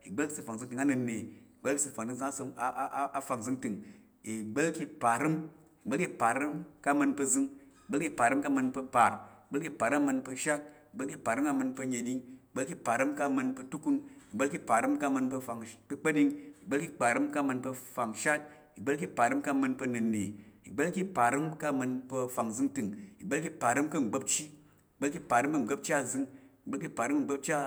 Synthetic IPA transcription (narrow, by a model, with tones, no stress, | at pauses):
i˨ɡ͡bə˦lki˦sɨ˧˨fa˨ŋ˨zɨ˧˦ŋtɨ˨ŋa˦nɨ˧nːe˨i˨ɡ͡be˦lki˦sɨ˧fa˨ŋti˧ŋzɨ˧ŋa˦sa˦fa˨ŋzɨ˧˦ŋtɨ˨ŋ | i˨ɡ͡blki˧pa˨ɾɨ˦m | i˨ɡ͡be˦lki˧pa˨ɾɨ˦mka˦mɨ˧npə˧zɨ˧ŋi˨ɡ͡be˦lkʲi˧pa˨ɾɨ˦mka˦mɨ˧npə˧pa˨ɾi˨ɡ͡be˦lki˦˧pa˨ɾa˦mɨ˧npə˧ʃa˦k̚i˨ɡ͡be˦lki˧˨pa˨ɾɨ˦ma˧mə˧npə˧ɲe˨ɗi˧ŋi˨ɡ͡be˦lki˧pa˨ɾɨ˦mka˦mɨ˧npə˧tu˦ku˦ni˨ɡ͡be˦lki˦pa˨ɾɨ˦mka˦˨mɨ˧npɐ˧fa˨ŋpə˧k͡pɐ˦ɗi˧ŋi˨ɡ͡be˦lkʲi˦k͡pa˨ɾɨ˦mka˦˨mɨ˧npfa˨ŋʃa˦t̚ | i˨ɡ͡be˦lki˦pa˨ɾɨ˦mka˦˧mɨ˧npɐ˧nɨ˨nːi˨i˨ɡ͡be˦lki˦pa˨ɾɨ˦mka˦˧mɨ˧npə˧fa˨ŋzɨ˧ŋtɨ˨ŋi˨ɡ͡be˦lkʲi˦pa˨ɾɨ˦mkɐ˦˨ŋ͡m̩˨ɡ͡bo˦p̚t͡ʃi˦ | i˨ɡ͡be˦lkʲi˦pa˨ɾɨ˦mbɐ˧ŋ͡m̩˨ɡɐ˦p̚t͡ʃʲa˦˨zɨ˧ŋi˨ɡ͡be˦lki˦pa˨ɾɨ˦m˦˧ŋ͡m̩˨ɡ͡bɐ˦p̚t͡ʃʲa˦